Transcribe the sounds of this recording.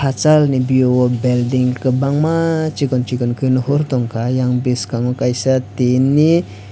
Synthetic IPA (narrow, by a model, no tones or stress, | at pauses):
at͡ʃalnibiowɔbɛldiŋkəbaŋmat͡ʃikɔnt͡ʃikɔnkinuhurt̪ɔŋkajaŋbiskaŋokajsat̪inːi